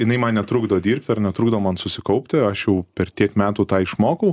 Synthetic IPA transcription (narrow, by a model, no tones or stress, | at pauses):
jɪnɐɪmɐnnʲɛt̪ɾuːɡd̪ɐʋoːd̪ʲiːɾʲpʲt̪ʲɐrnʲɛt̪ɾuːɡd̪ɐʋomɐnsʊsʲɪkɐʊpʲt̪ʲɪɐʃjɛʊpʲɛrt̪ʲiɛkmʲæːt̪uːt̪ɑːɪʃmoːkɐʊ